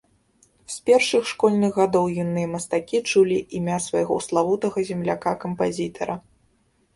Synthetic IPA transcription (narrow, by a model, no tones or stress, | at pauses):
spʲɛrʂɨxʂkɔlʲnɨɣɣad̪ɔwjunːɨjɐmɐst̪akʲit͡ʂulʲiʔimʲasvajɣɔslˠavut̪ɐɣɐzʲɛmlʲakakɐmpazʲit̪ʰɐɾɐ